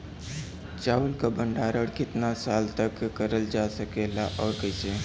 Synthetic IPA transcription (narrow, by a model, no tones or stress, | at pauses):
t͡ʃaulkabəɳɖaːɾəɽkɪt̪nasaːlt̪əkːəɾəld͡ʒasəkelaʔɔːɾkəjse